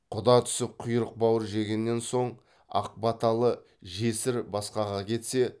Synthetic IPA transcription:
qʰʊd̪ɑt̪ʰʏ̥sɪp̚qʰʊjɾəq̚bɑwəɾʒe̞ɡʲe̞nːe̞nso̞ɴ | ɑ̰q̚bɑt̪ɑlˠə | ʒesɪɾbɑsqɑʁɑkʲʰe̞t̪se̞

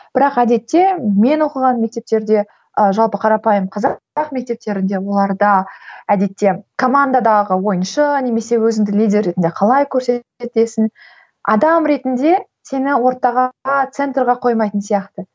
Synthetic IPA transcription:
b̥ɪɾɑqæd̪e̞t̪ːe̞me̞nwo̞qəʁɑnme̞k̚t̪e̞p̚t̪e̞ɾd̪e̞ | əʒɑlˠpəqʰɑɾɑpɑjəmqʰɑz | ɑqme̞k̚t̪e̞p̚t̪e̞ɾɪnd̪e̞wo̞lˠɑɾd̪ɑæd̪e̞t̪ːe̞kʰo̞mand̪ad̪ɑʁəwo̞jənʃəne̞me̞se̞wɵzɪŋd̪ɪlʲijd̪ʲerːe̞t̪ɪnd̪e̞qʰɑlˠɑjkʲʰɵɾse̞t̪e̞sɪn | ɑ̰d̪ɑmɾe̞t̪ɪnd̪e̞ | se̞nɪwo̞ɾt̪ɑʁɑɑt̪se̞nt̪rʁɑqʰo̞jmɑjt̪ənsijɑqt̪ə

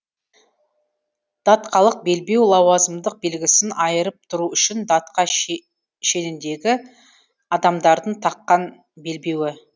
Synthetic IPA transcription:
d̪̥ɑt̪qɑlˠəq̚be̞lbe̞wlˠɑwɑzəmd̪əq̚be̞lɡʲɪsɪnɑjəɾəp̚t̪ʰʊɾuʏʃɪnd̪ɑt̪qɑ | ʃe̞nɪnd̪e̞ɡʲɪ | ɑd̪ɑmd̪ɑɾd̪əɴt̪ʰɑqːɑn | be̞lbe̞wɪ

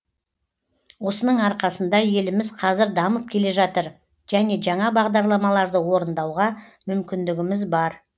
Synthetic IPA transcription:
wo̞sənəɴɑɾqɑsənd̪ɑje̞lɪmɪzqʰɑzɪɾd̪ɑməp̚kʲʰe̞le̞ʒɑt̪əɾ | ʒ̥æne̞ʒɑɴɑbɑʁd̪ɑɾlˠɑmɑlˠɑɾd̪əwo̞ɾənd̪ɑwʁɑmʏmkʲɪnd̪ɪɡʲɪmɪzbɑɾ

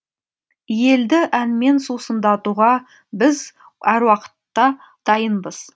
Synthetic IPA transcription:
je̞ld̪ɪʔænme̞nsusənd̪ɑt̪uʁɑ | bɪz | æɾwɑqə̥t̪ːɑ | d̪̥ɑjənbəz̥

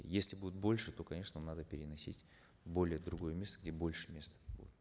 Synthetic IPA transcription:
jesʲlʲɪbudʲɪt̪̚bo̞lʲʂɨt̪o̞kɐnʲe̞ʂnəmnad̪əpʲɪɾʲɪnɐsʲḭtʲ | bo̞lʲɪjəd̪ɾʊɡo̞jəmʲe̞st̪əɡdʲe̞bo̞lʲʂɨ̥mʲe̞st̪ə̥bṵdʲɪt̪

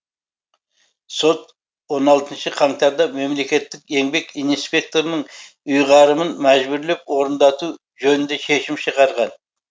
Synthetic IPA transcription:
so̞t̪̚ | wo̞nɑlˠt̪ənʃəqʰɑŋt̪ɑɾd̪ɑme̞mle̞kʲe̞t̪ːɪke̞ŋbe̞kijnspʲe̞k̚t̪o̞ɾənəɴ | ʊjʁɑɾəmənmæʒbʏɾle̞pwo̞ɾənd̪ɑt̪u | ʒɵnɪnd̪e̞ʃe̞ʃɪmʃəʁɑɾʁɑn

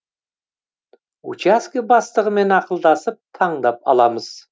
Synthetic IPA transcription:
ṵt͡ʃaskʲibɑst̪əʁəme̞nɑqəlˠd̪ɑsəp̚t̪ʰɑɴd̪ɑpɑ̰lˠɑməz̥

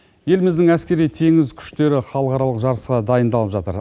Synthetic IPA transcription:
je̞lɪmɪzd̪ɪŋæskʲe̞ɾijt̪ʰe̞ŋɪzkʲʰʏ̥ʃt̪e̞ɾɪχɑlˠəqɑɾɑlˠəqʒɑɾəsqɑd̪ɑjənd̪ɑlˠəpʒɑt̪əɾ

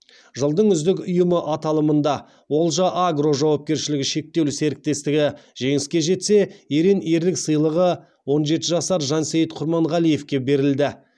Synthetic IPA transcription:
ʒəlˠd̪əɴʏzd̪ɪkʊjəməʔɑt̪ɑlˠəmənd̪ɑ | wo̞lˠʒɑʔaɡro̞ʒɑwɑp̚kʲe̞ɾʃɪlɪɡʲɪʃe̞k̚t̪e̞wse̞ɾɪk̚t̪e̞st̪ɪɡʲɪʒe̞ŋɪskʲe̞ʒe̞t̪se̞eɾeneɾlɪksəjlˠəʁə | wo̞nʒe̞t̪ɪʒɑsɑɾʒɑnsejɪt̪qʰʊɾmɑɴʁɑlije̞fkʲe̞be̞ɾɪld̪ɪ

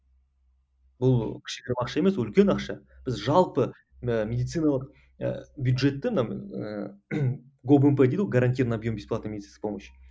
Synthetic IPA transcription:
bʊlˠkʲʰɪ̥ʃkʲeeɾmɑqʃɑe̞me̞swʏlkʲe̞nɑqʃɑb̥ɪzʒɑlˠpə | əmʲe̞d̪it̪sɨjnalˠəq | bʲjud̪ʒe̞t̪ːɪməna̰ | ɡo̞bempeejd̪ɪwolˠɡaɾant̪̬ʲijrnabjo̞mbʲesplˠɑt̪nmed̪ʲt̪inboməjʃ

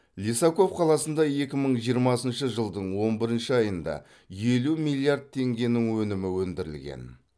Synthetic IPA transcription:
lʲisako̞fqʰɑlˠɑsənd̪ɑje̞kʲɪməɴʒijəɾmɑsənʃəʒəlˠd̪əɴwo̞nbɪɾɪnʃɪɑjənd̪ɑ̰ | je̞lumilʲˠiard̪̚t̪ʰe̞ŋɡʲe̞nɪŋwɵnɪmɪwɵnd̪ɪɾɪ̰lɡʲḛn

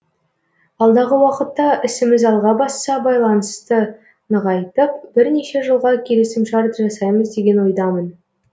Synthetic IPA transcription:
ɑlˠd̪ɑʁəwɑqət̪ːɑʔɪsɪmɪzɑlˠʁɑbɑsːɑbɑjlˠɑnəst̪ə | nəʁɑjt̪əp̚b̥ɪɾne̞ʃe̞ʒəlˠʁɑkʲʰe̞le̞sɪmʃɑɾp̪ʒɑsɑjməzd̪e̞ɡʲe̞nwo̞jd̪ɑmən

